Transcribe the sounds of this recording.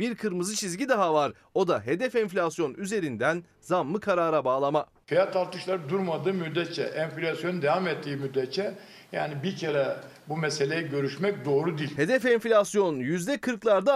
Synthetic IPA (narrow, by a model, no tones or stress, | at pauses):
biɾkʰɯɾmɯzɯt͡ʃʰizɟid̪aɦavaɾ | o̞d̪aɦe̞d̪ɛfɛɱflʲasjo̞nyze̞ɾind̪æn | zamːɯkʰaɾaːɾabaːlˠama | fijat̪aɾt̪ɯʃlˠaɾɯd̪uɾmad̪ɯːmyd̪ɛt͡ʃʰɛ̰ʔɛnflʲasjo̞nd̪evamet̪ʰːiːmyd̪ɛt͡ʃʰɛ | jaːnibiɾcʰeɾɛ | bumese̞lʲejiɟø̞ɾyʃmɛc̚d̪o̞ːɾud̪iːlʲhe̞d̪ɛfɛɱflʲasjo̞njyzd̪ɛkʰɯɾklˠaɾd̪a